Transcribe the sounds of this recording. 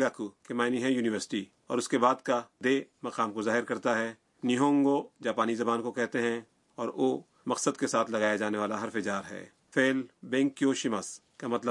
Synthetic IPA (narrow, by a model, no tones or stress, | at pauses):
ɡaːkukemaːɪniɦɛ̃juːnɪʋəɾsɪ̥ʈi | ɔ̰ːɾʊskebaːd̪kad̪eːmɐqaːmkozaːɦɪɾkɐɾt̪aɦɛ | niɦõːŋɡod͡ʒaːpaːnizɐbaːnkokɛɦt̪eɦɛ̃ | ɔːɾoː | mɐqsəd̪kesaːt̪ʰlɐɣaːjad͡ʒaːneʋaːlaɦɐɾfɪd͡ʒaːɾɦɛ̰ː | feːlbɛ̃ːŋkːjoːʃɪmaːs | kamɐt̪lə